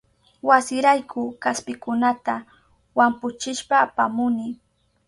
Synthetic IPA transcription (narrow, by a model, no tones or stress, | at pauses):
wasɪɾajkʰʊkaspɪkʊnat̪a | wampʊt͡ʃɪʃpaːpamʊnɪ